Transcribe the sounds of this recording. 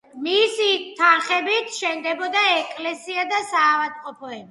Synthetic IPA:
misit̪ʰanχɛbit̪ʰʃɛnd̪ɛbɔd̪aɛkʼlɛsiad̪asaːvad̪̚qʼɔpʰɔɛbi

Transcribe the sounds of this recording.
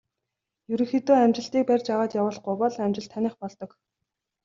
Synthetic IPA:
jɵɾɵ̆ŋxet̪oːæmt͡ɕɪ̆ɬt̪iːk̚pærʲt͡ɕaːʁaːt͡ɕjawʊːɮχɡʊjpɔɮæmʲt͡ɕɪ̆ɬt̪ʰænɪ̆χpɔɮt̪ɞ̆k

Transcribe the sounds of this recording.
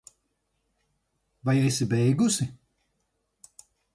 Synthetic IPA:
vajɛsibɛjɡusi

